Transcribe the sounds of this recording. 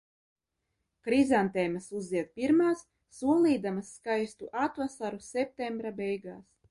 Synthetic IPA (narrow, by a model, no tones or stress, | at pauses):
kɾizant̪ɛjmasuziɛt̪̚piɾmaːsː | uɔlˠiːd̪amasːkajst̪uʔat̪vasaɾusʲɛp̚t̪embɾabɛjɡaːs